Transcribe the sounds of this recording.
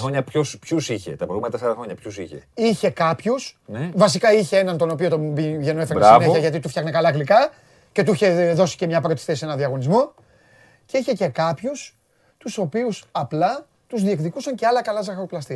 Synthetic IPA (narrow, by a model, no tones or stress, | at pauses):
xɾoɲɐpçospçusiçḛt̪ɐpɾoɣumenɐt̪ɐsɐɾɐxɾo̞ɲɐpçusiçḛiçe̞kɐpçusnevɐsikɐiçe̞e̞nɐnt̪o̞no̞pio̞t̪obiʝe̞noefetɾisɐivneçɐʝɐt̪it̪ufçɐxne̞kɐlɐɣlikɐ | ce̞t̪uiçe̞ðo̞si̥cemɲɐpɐɾot̪i̥st̪ese̞nɐnðiɐɣo̞nizmo̞ | ce̞içe̞ce̞kɐpçus | t̪uso̞piusɐplɐ | t̪uzðiekðikusɐɲce̞ɐlɐkɐlɐzɐxɐɾoplɐst̪i